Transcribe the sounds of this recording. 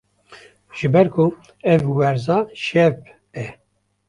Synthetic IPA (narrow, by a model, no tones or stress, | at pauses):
ʒ̥ɨbɛɾkʰu | ɛvwɛɾzɑʃɛv | ɛ